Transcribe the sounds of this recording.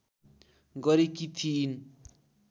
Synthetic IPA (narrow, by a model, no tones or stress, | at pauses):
ɡʌɾikit̪ʰiːn